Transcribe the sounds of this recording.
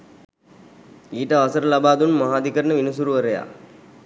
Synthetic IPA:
iːʈəʋasəɾəlabaːd̪unmɐɦaːd̪ikəɾənəʋinusuɾuʋəɾəja̰ː

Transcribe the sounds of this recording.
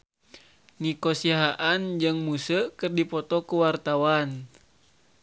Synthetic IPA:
nikɔsiaɦaʔand͡ʒɨŋmusəkɨrdipɔt̪ɔkuwart̪awan

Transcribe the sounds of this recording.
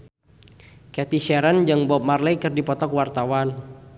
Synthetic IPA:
kɛt̪iʃɛɾənd͡ʒɨŋbɔp̚marlɛjkɨrdipɔt̪ɔkwart̪awan

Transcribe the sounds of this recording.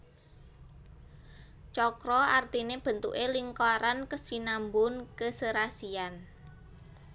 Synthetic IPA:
t͡ʃɔkɾɔart̪ineb̥ə̤nt̪ṵʔeliŋkɔɾankəsinambʊnkəsəɾasian

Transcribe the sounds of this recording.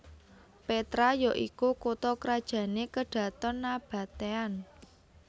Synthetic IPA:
pet̪ɾajɔʔikukut̪ɔkəɾad̥ʒ̥ä̤nekəɖ̥ä̤t̪ɔnːab̥a̤t̪ean

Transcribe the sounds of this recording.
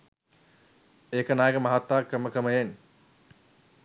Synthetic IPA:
eːkənaːɡəmaɦat̪ːaːkːəməkəməjen

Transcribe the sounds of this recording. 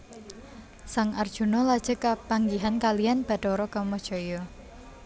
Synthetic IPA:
saŋard̥ʒ̥unɔlad̥ʒ̥ə̤kapaŋɡiɦankalijanb̥a̤ɖ̥ɔɾɔkamɔd̥ʒ̥ɔjɔ

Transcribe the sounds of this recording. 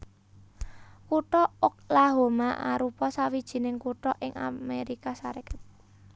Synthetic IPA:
kuʈɔʊk̚laɦomaʔa̰ɾupɔsawid̥ʒ̥i̤nɪŋkuʈɔʔɪŋʔa̰meɾikasaɾekə̥t̪̚

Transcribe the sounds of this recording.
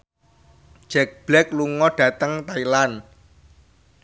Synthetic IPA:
d̥ʒ̥ɛk̚b̥lɛkluŋɔɖ̥ä̤t̪əŋt̪ailan

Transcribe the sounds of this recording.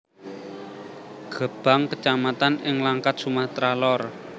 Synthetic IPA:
ɡ̥ə̤b̥a̤ŋkət͡ʃamat̪anɪŋlaŋkat̪̚sumaht̪ɾalɔr

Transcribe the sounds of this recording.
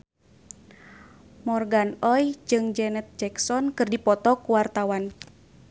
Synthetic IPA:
mɔrɡanɔjd͡ʒɨŋd͡ʒɛnɛt̪̚d͡ʒɛksɔnkɨrdipɔt̪ɔkuwart̪awan

